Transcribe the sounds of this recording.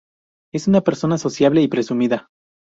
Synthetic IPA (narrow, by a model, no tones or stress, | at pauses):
e̞sunape̞ɾso̞naːso̞sjaβle̞ipɾe̞sumiða